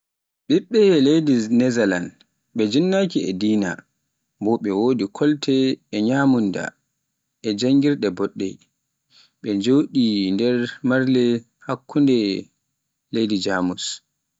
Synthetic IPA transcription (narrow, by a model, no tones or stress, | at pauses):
ɓiɓːɛlejdinɛzalan | ɓɛd͡ʒinːakiɛ̰diːna̰ | bɔɓɛwoːdikʰɔltʰɛːɲaːmunda̰ | ʔɛd͡ʒaŋɡiɾɗɛbɔɗːɛ̰ | ɓɛɲd͡ʒoːɗindɛɾmaɾlɛ | hakːundɛ | lejdid͡ʒaːmus